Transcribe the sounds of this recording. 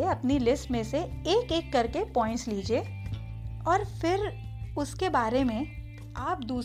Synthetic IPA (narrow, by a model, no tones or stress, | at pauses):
eɐpnilɪsʈmẽseeːkeːkːɐɾkepɔ̃ːɪ̃ɳʈsliːd͡ʒieː | ɔːɾfɪɾʊskebaːɾemẽ | aːpd̪uː